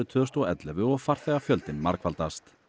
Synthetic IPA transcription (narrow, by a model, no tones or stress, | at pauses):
ʏt̪ʰœːst̪ɔɛt̪lɛvʏɔɣfar̥θɛɣafjœlt̪ɪnmaɾkʰvalt̪ast̪